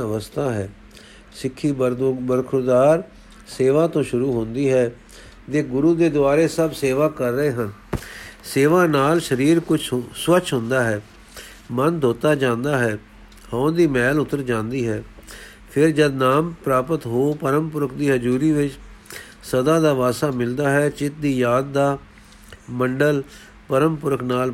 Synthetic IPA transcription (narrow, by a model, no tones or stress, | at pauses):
əʋəst̪ʰaːɦɛː | sɪkʰːiːbəɾkʰʊɾd̪aːɾ | seːʋãːt̪õːʃʊɾuːɦʊ̃nd̪iːɦɛː | t̪eːɡʊɾuːd̪eːd̪ʊaːɾeːsəbseːʋaːkəɾːəeːɦən | seːʋãːnaːlʃəɾiːɾkʊt͡ʃʰswət͡ʃʰɦʊ̃nd̪aːɦɛː | mənd̪ʱoːt̪aːd͡ʒãːnd̪aːɦɛː | hɔ̃ːnd̪iːmɛːlʊt̪ːəɾd͡ʒãːnd̪iːɦɛː | pʰɪɾd͡ʒəd̪naːmpɾaːpət̪ɦoːpəɾəmpʊɾəkd̪iːɦəd͡ʒuːɾiːʋɪt͡ʃ | səd̪aːd̪aːʋaːsaːmɪld̪aːɦɛːt͡ʃɪt̪̚d̪iːjaːd̪ːaː | məɳɖəl | pəɾəmpʊɾəknaːl